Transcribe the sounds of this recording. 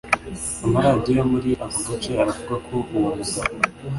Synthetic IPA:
amaɾaːdijomuɾiʔavuɡat͡ʃeaɾavuɡakʰoʔuwuɾuza

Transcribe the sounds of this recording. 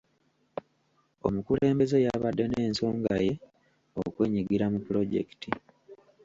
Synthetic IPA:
o̞̰mukule̞ːmbe̞ze̞jaβadːe̞ne̞ːnso̞ːŋɡaje̞ | o̰kwe̞ːɲiɡiɾamupulo̞ɟe̞̰ki̥ti

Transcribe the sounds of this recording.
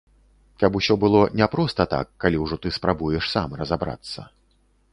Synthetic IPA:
kabusʲɔbɨlˠɔnʲɛpɾɔst̪ɐt̪a̰kːalʲiwʐɔt̪ɨspɾabujɛʂsamrɐzabɾa̰t̪sːɐ̰

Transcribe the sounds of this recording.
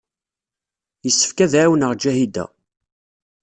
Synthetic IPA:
jəsːə̥fkæðʕwənəʁd͡ʒæhid̪æ̰

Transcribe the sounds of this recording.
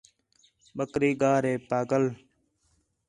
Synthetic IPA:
ɓəkɾiːɡaːɾeːpaːɡəl

